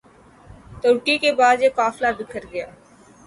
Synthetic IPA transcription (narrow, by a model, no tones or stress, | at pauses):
t̪oɾʈikebaːd̪jekaːflab̪ɪkʰəɾɡɐjaː